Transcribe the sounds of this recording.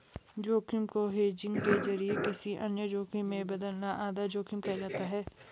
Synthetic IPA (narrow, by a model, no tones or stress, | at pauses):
d͡ʒoːkɪmkoɦeːd͡ʒɪ̃ŋɡkezɐɾiekɪsiʔɐnjəd͡ʒoːkimẽbɐd̪əlnaʔaːd̪ad͡ʒoːkɪmkɐd͡ʒaːt̪aɦɛː